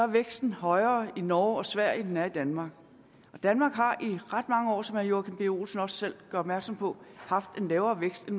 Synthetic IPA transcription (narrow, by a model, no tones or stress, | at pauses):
ɑæɐʋeɡ̥sd̥n̩hɒ̽ɪɐːinɒːɒ̽sʋæɐ̰jəd̥enæɐid̥ænmɑ̈ːɡ̥ | ɒ̽d̥ænmɑ̈ːɡ̥ɦɑ̈ʔiʁɑd̥mɑ̈ŋəɒ̰ːsɒ̽mhæɐjo̝ækʰe̝mb̥e̝o̝̰ːlsn̩ɒ̽sːel̰ɡ̥ɶɐɒ̽b̥mæɐɡ̥sɒ̽mpʰɒ̽hɑ̈fd̥e̝nlɛːʊɐːʋeɡ̥sd̥en